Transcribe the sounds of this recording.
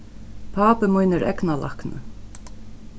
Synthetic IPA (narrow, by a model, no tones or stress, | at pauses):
pʰaːpəmujnɪɾɛ̰knalʔa̰hknə̰